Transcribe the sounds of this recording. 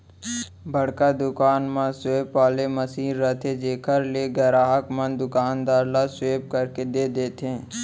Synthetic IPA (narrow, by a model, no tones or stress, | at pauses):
bʱəɽkad̪ʊkaːnmãsweːpːaːleməsiːɾːət̪ʰed͡ʒeːkʰəɾleɡɛɾaːɦəkmə̃nd̪ʊkaːnd̪aːɾlasweːp̚kəɾked̪eːd̪eːt̪ẽː